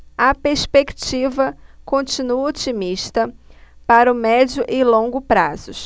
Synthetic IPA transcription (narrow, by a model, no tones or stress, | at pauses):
ɐpeɾspekt͡ʃivɐkõnt͡ʃinuɐot͡ʃimiʃt̪ɐpaɾɐʊmɛd͡ʒjʊʔɪlõɡʊpɾazʊ